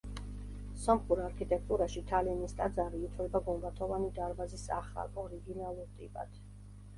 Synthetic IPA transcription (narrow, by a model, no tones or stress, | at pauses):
sɔmχuɾaɾkʰit̪ʼɛk̚ʰt̪ʼuɾaʃit̪ʰalinist̪ʼad̪zaɾiːt̪ʰlɛbaɡumbat̪ʰɔvanid̪aɾbazisaχa̰lɔɾiɡinalˠuɾt̪ʼibʼa̰d̪̥